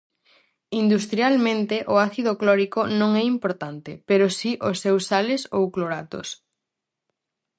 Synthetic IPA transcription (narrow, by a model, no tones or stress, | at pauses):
ind̪ust̪ɾjalmẽnt̪eʔʊaθiðoklɔɾikonõŋɛimpoɾt̪ant̪epeɾosiʔosewsalesowkloɾat̪o̰s